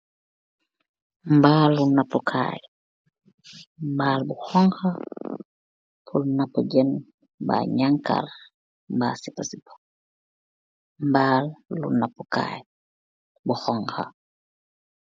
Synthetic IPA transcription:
mbaːlːunapːukʰa̰ːj | mbaːlbuxɔŋxɐ | pʰulnapːuɟɛn | ba̰ɲaŋka̰r | mba̰sipasipḁ | mbaːlːunapːuka̰ːj | buxɔŋxɐ̰

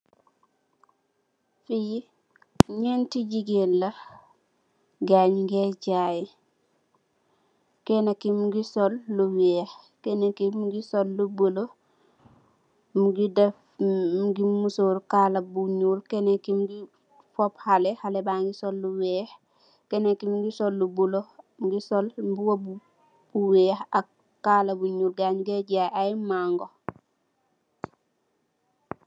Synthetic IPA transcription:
fiji | ɲɛntiɟiɡenlɐ | ɡaɲŋɡɛɟaːjɛ | kɛnakimɡisɔlːuwɛːh | kɛnakimuɡisolːubəlo | muɡidɛf | ɡimusoɾkaːlabuɲulkenekimɡi | fɔphalɛhalɛbaːŋɡisɔlːuwɛːh | kɛnekimɡisolːubuloɡisɔlbuwobu | buwɛhak | kːaːlabuɲuːlɡaɲɡeɟaʔajmaŋɡo

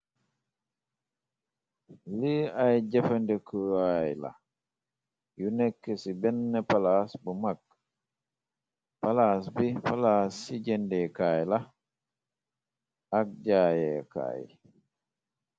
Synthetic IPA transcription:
liajd͡ʒɛfandɛkʰuajla̰ | junɛkːɛsibɛnːɛpalasbumak̚ | palasbipalasːid͡ʒɛndɛkaːjla | ak̚d͡ʒaːjɛka̰ːj

